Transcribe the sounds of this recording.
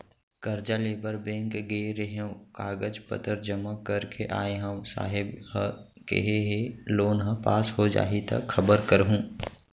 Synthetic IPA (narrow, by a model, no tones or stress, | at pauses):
kɐɾd͡ʒaleːbəɾbẽːŋkɡeːɾeɦẽkaːɡəd͡ʒpə̰t̪əɾd͡ʒəməkːəɾkʰeʔaːeɦəmsa̰ːɦɪbɦ | kḛɦeɦeloːnɦə̃paːsɦod͡ʒa̰ːɦit̪ɐ̰kxʰɐbəɾkəɾɦũː